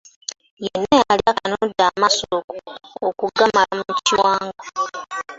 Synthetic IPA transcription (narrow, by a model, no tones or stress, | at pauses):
jenːajaliakanodaːmasookookuɡamaamuciwaːŋɡa